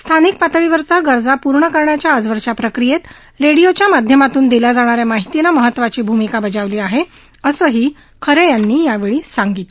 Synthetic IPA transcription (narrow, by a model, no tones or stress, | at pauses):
st̪ʰanik̚pat̪ɭiːʋəɾt͡saɡəɾd͡zapuɾɳəkəɾɳjat͡ɕjaəd͡zʋəɾʂapɾəkɾijet̪ | ɾeɽijot͡ɕjamad̪ʱjəmat̪uːnd̪ilad͡zaɽ̃aɾjamaɦit̪ilaməɦət̪ːʋat͡ɕiːbʱumikabəd͡zaʋliːaɦe | əsəːɦiː | kʰəɾejanːiːjaʋeɭiːsaŋɡiːt̪